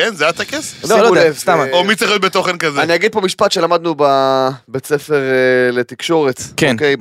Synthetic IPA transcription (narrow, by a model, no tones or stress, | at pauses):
kenzeat̪akeseflolodevst̪amomit͡seχajot̪bet̪o̞χenkazeaniaɡid̪̚po̞miʃpat̪ʃe̞lamad̪nubabet͡sefe̞ʁlet̪ikʃo̞ʁet̪keonkej